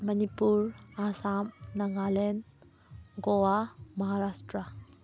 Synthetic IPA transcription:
mɐnipuɾasamnɐɡalen | ɡowamɐɦaɾasʈɾa

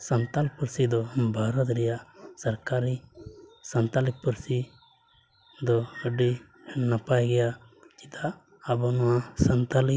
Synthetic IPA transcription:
sɐnt̪alpuɾsid̪ɔbʱaɾɔt̪ɾɛjasɐɾkaɾi | sɐnt̪alik̚puɾsi | d̪ɔəɖi | napajɡɛjat͡ʃi̥t̪aː | bɔnɔwãsɐnt̪ali

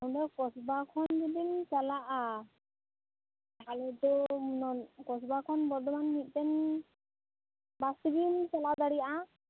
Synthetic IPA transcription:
awdɔkɔsbakʰɔndidinsalaʔa | kalɛt̪ɔnɔkɔsbakʰɔnbɔɾd̪ɔmanmit̪̚ˀtɛn | bast̪ibimsalad̪aɽijaʔa

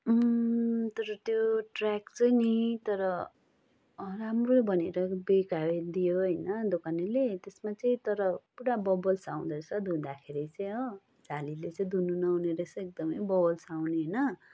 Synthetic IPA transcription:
t̪ʌɾʌt̪joʈrakt͡sʌinit̪ʌɾʌ | ramrobʱʌneɾʌbekaed̪ijoɦʌjnʌd̪okanilet̪esmat͡sʌĩt̪ʌɾʌpuɽabʌbʌlsaw̃d̪ʌsad̪ɦũd̪akʰeɾit͡sʌj̃ʌ | d͡zalilet͡sʌĩd̪ʱununʌɦuneɾesʌ̃ek̚d̪ʌmʌjbʌbʌlsaw̃neɦʌjnʌ

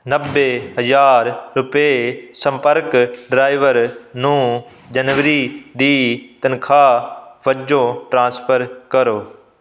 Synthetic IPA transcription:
nəbːeɦəzaːɾːʊpesə̃mpəɾkɖɾaːɪʋəɾnũː | d͡ʒənʋɾid̪iːt̪ənkʰaːʋəd͡ʒoʈɾãːnspʰəɾkəɾoː

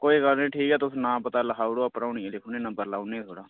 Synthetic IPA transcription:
koːiːkəlnẽːʈʰiːkɛːt̪ʊsũːnãːpət̪aːləkʰaːʊɽoːapəɾaːnieleːkʰʊnẽːnə̃mbəɾlaːnẽːt̪ʰoːɽaː

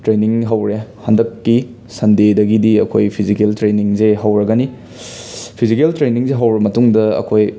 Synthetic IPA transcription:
tɾeniŋɦɐwɾehɐndɐkːi | sɐndedɐɡidiɐkʰojpʰizikeltɾeniŋzeɦɐwɾɐɡɐni | pʰizikeltɾeniŋzeɦɐwɾɐmɐtuŋdɐɐ̰kʰoj

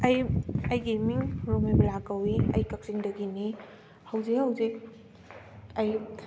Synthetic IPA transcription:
ɐjɐjɡimiŋɾomeblakawiɐ̰jkɐk̚siŋdɐɡini | hɐwzikhɐwzik̚ | ɐj

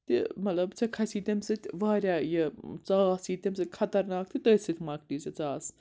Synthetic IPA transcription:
t̪imɐt̪lɐbt͡sʰɐkʰɐsiːt̪ʲemsɨt̪ʲʋaːɾʲjaːjɐt͡saːsiːt̪ʲemzɨt̪ʲkʰɐt̪ɐɾnaːk̚t̪it̪əːsɨt̪ʰʲmɐːklizɐt͡saːs

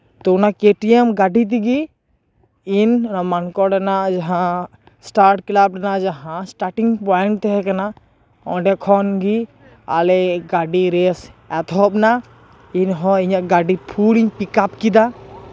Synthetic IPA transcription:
t̪ɔunakeʈiɛmɡaɖit̪̬iɡi | inmankɔɖanad͡ʒaɦã | sʈaɾʈklab̚ɖanad͡ʒaɦãsʈaʈiŋɡpɔɛɳʈt̪ɛɦɛkana | ɔ̰̃ɖɛkʰɔnɡi | a̰lɛɡaɖiɾɛsɛt̪ʰɔp̚na | inɦɔ̃iɲaʔɡaɖipʰuliɲpikapkid̪a

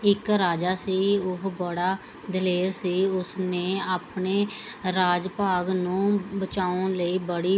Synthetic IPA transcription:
ɪkɾaːd͡ʒaːsiːʊɦbəɽaː | d̪əleːɾsiːʊsneːaːpɳeːɾaːd͡ʒpaːɡnũːbət͡ʃaːʊnləiːbəɽiː

